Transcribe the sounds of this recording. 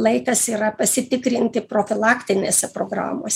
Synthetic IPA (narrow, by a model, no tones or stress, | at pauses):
lˠɐɪt̪ɐsiːɾɐpɐsʲɪt̪ʲɪkɾʲɪnʲt̪ʲɪpɾoːfʲɪlˠɑːkʲt̪ʲɪnʲeːsʲɛpɾoːɡɾɑ̰ːmo̰ːsʲ